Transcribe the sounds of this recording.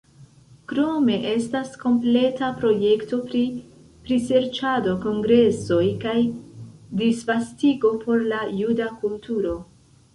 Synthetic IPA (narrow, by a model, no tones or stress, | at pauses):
kɾo̞me̞ʔe̞stasko̞mple̞tapɾo̞je̞kto̞pɾi | pɾise̞ɾt͡ʃado̞ko̞ŋɡɾe̞so̞jkaj | disvastiɡo̞pʰo̞ɾlajudakultuɾo̞